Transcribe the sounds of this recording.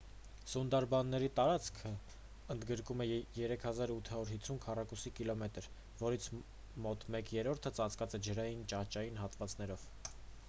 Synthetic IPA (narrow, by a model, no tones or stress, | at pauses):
sund̪ɑɾbɑnːɛɾit̪ɑɾɑt͡sʰkʰə | ənd̪ɡəɾkumɛjɛɾɛkʰhɑzɑɾut̪ʰhɑuɾɦit͡sʰːunkʰɑrɑkusikilɔmɛt̪əɾ | vɔɾit͡sʰ | mɔt̪mɛkjɛɾɔɾt̪ʰət͡sɑt͡skɑt͡sɛd͡ʒəɾɑjint͡ʃɑht͡ʃɑjinɦɑt̪vɑt͡sn̪ɛɾɔv̥